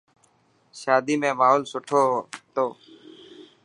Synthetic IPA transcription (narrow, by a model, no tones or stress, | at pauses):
ʃaːd̪iːmẽːmaːɦoːlsʊʈʰoːɦt̪oː